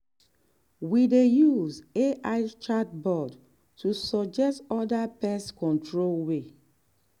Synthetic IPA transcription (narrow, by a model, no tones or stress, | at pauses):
widejuzeʔaɪt͡ʃat̚bɔd | tʰusɔd͡ʒɛstɔdapɛskɔ̃ntʰɹolwe